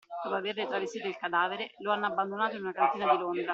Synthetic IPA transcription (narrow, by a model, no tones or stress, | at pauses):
d̪̥ɔpoaverːet̪ɾavest̪ːiːt̪oilkad̪aːveɾeloanːabːand̪onaːt̪oinunakant̪iːnad̪ilond̪ɾa